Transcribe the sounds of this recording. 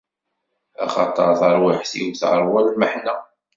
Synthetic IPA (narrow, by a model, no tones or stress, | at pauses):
æ̰χɑ̰t̪ˤəɾˤθəɾˤwiħθḭwθəɾˤwælməħnæ